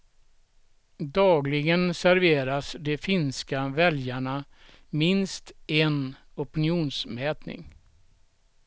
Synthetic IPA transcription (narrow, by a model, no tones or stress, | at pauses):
d̪ɑːɡlɪɡənsæɾveːɾasd̪ɛfɪnskavɛljaɳa | mɪnst̪ɛn | ɔpɪnɪuːnsmɛːt̪nɪ̰ŋ